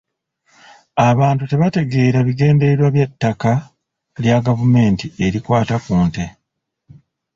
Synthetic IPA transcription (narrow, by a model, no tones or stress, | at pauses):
aβaːntute̞βate̞ɡe̞ːɾaβiɡe̞ːnde̞ɾwaβjetːaka | ljaɡavume̞ːntie̞ɾikwaːtakuːnte̞